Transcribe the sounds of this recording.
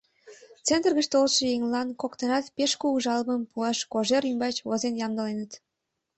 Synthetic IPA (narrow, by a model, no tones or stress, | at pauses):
t͡sent̪rɣət͡ɕt̪olʃejiŋlɑnkokt̪ənɑt̪peʃkuuʒɑlməmpuɑʃkoʒeɾymbɑt͡ɕβozenjɑmd̪əlenət̪